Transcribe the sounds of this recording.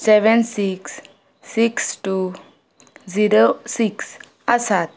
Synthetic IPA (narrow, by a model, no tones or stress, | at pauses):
sɛʋensiksː | iksʈu | ziɾosiks | əsat̪̚